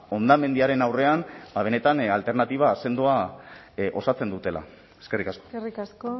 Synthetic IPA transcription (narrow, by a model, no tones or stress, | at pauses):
o̞nd̪ame̞nd̪iaɾe̞nawre̞anbaβ̞e̞ne̞t̪analt̪e̞ɾnat̪iβ̞aːse̞nd̪ua | ʔo̞̰sat͡se̞nd̪ut̪e̞la̰ | eske̞rikasko̞̥rikasko